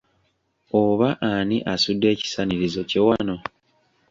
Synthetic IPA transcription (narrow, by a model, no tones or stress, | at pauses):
oβaʔaniʔasudːe̞ːci̥saniɾizo̞cewano̞